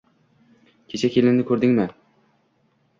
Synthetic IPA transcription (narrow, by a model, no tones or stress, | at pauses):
kʲʰet͡ʃʰakʲʰelɪnnɪkʲʰɵɾd̪ɪŋmɪ